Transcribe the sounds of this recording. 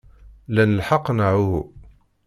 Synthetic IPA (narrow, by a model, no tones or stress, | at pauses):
lænəlħɑqːnaʕuhu